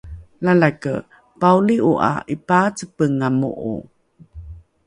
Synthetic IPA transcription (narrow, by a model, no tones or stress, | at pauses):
lalakə̰ | pauliʔuʔa̰ʔipat͡səpəŋamṵʔṵ